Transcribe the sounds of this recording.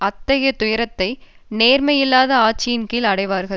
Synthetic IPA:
ɐt̪ːɐɣɐt̪ʊjɐɾɐt̪ːɐɪneːɾmɐjɪlːaːðɐaːt͡ʃːɪjɪnkilɐɽɐɪʋaːɾɣɐ

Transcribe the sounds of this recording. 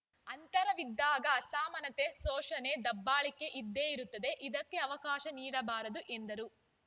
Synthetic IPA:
ɐnt̪ɐɾɐʋid̪ːaːɡɐːsaːmɐnɐt̪esɔːʃɐne̞ːd̪ɐbːaːɭikːe̞ʔid̪ːe̞ːiɾut̪ːɐd̪eʔid̪ɐkːe̞ɐʋɐkaːʃɐniːɽɐbaːɾɐd̪uʔend̪ɐɾu

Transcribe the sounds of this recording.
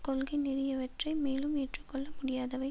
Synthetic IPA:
kɔlɣɐɪnɪɾɪjɐʋɐʈrɐɪmeːlɯmeːʈrɯkːɔɭːɐmʊɽɪjaːðɐʋɐɪ

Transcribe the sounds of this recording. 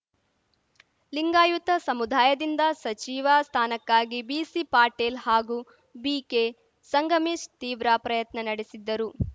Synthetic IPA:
liŋɡaːjut̪ɐsɐmud̪ʱaːjɐd̪ind̪ɐsɐt͡ʃiːʋast̪ʰaːnɐkːaːɡibiːsipaːɾʈeːlhaːɡu | biːke | sɐŋɡʱɐmiʂt̪iːʋɾaːpɾɐjɐt̪nɐnɐɽisid̪ːɐɾu

